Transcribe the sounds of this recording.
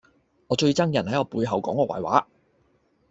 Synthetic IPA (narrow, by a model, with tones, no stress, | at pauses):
ŋɔː˨˧t͡ʃɵ˧ɥt͡sɐ˥ŋjɐ˨˩nhɐ˨˥jɔː˨˧puː˧jɦɐ˨wkɔː˨˥ŋɔː˧wa̰˨˩jwa̰ː˨˥